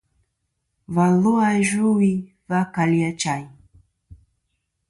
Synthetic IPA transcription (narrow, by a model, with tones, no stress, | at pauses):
va˨lu˦a˦ʒu˦wi˦ | va˦ka˨li˦a˦t͡ʃa˨i˨